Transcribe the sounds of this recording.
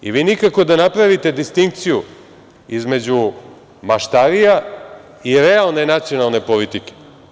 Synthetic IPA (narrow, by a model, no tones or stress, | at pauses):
ḭʋiːnikako̞d̪anapɾaʋit̪e̞d̪ist̪iŋkt̪siju | izme̞d͡ʑu | maʃt̪aɾija | iɾealˠne̞nat̪sio̞nalˠne̞polit̪ike̥